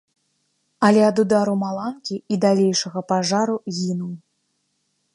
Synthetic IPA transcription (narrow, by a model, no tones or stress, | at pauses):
ɐlʲɛɐd̪ud̪aɾumalˠankʲiid̪alʲejʂɐɣɐpaʐaɾuɣʲinuw